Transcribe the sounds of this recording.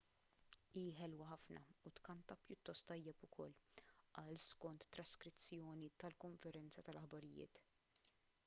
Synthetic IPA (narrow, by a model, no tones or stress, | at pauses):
iːħɛlwɐħɐfnɐ̰ʊt̪kɐnt̪ɐpjʊt̪ːɔst̪ːɐjːɛpʊkʰɔlːʔɐːlskɔnt̪ːɾɐskɾɪt͡sːjɔːnit̪ɐlkɔɱfɛɾɛnt͡sɐt̪ɐlɐħbɐɾɪjɪ̰ːt̪